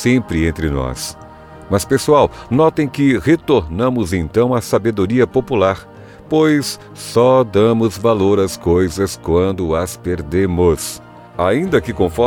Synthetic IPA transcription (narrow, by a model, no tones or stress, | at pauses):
sẽpɾɪẽnt̪ɾɪnɔ̰s | mɐspesuawnɔt̪ẽj̃kɪhet̪oɾnɐ̃mʊzẽnt̪ɐ̃w̃asabed̪oɾiɐpopulaɾ | pojs | sɔd̪ɐ̃mʊzvaloɾɐskojzɐskwɐ̃nd̪ʊɐspeɾd̪ẽmʊs | aĩnd̪ɐkɪkõfɔ